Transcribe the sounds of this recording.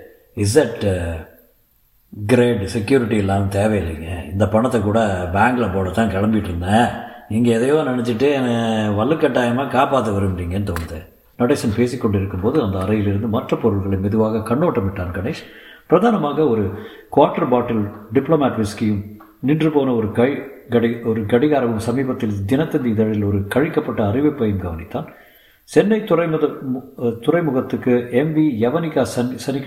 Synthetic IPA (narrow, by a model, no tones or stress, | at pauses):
ɪs̬d̪ɐʈ | ɡɪɾeːɖsɛkjuːɾɪʈːiɛlːaːnɯt̪eːʋɛjɪlːiŋɡɐɪnd̪ɐpɐɳɐt̪ːɐkːuːɽɐbaːŋɡɐɭɐpoːnɐt̪ːãːkɛɭɐmbɪʈːɾɯnd̪ɐɪŋɡɐɛðɐjõːnɪnɛt͡ʃːɪʈːɯɛnɐʋɐɭːɯkːɐʈːaːjɐmaːkaːpaːt̪ːɐʋɐɾɯnriːŋɡɐnːɯt̪oːnɐðɯ | noʈːisɐnpeːsikːɔɳɖɪɾɯkːɯmpoːðɯɐnd̪ɐːɾɐjɪlɪɾɯnd̪ɯmɐʈrɐpɔɾɯɭɣɐɭɐɪmɪðɯʋaːɣɐkɐɳːoːʈːɐmɪʈːaːnkɐɳɛkʂɐnpɪɾɐðaːnɐmaːɣɐɔɾɯ | kʊʋaːɾʈːɐɾbaːʈːɪlɖɪpːloːmaːʈʋɪskijɯm | nɪndrɯpoːnɐɔɾɯkɐɡɐɽɪɔɾɯɡɐɽɪɣaːɾɐʋɯmsɐmiːbɐt̪ːɪld̪ɪnɐt̪ːɐnd̪iːðɐɻɪlɔɾɯkɐɻɪkːɐpːɐʈːɐːrɪʋɐɪpːɐjɯmɡɐʋɐnɪt̪ːaːn | t͡ʃɛnːɐɪt̪ːʊrɐɪmðɐt̪ʊrɐɪmʊɣɐt̪ːɯkːɯɛmbijɐʋɐnɪkːaːsɐnsɐnɪk